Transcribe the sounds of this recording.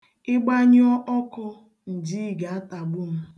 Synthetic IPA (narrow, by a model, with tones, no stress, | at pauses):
ɪ˦ɡ͡ba˦ɲ˦ɔ˦ʔɔ˦kʊ˦ | n̩˨d͡ʒi˦˨ɡa˨a˦ta˨ɡ͡bʊ˦m̩˦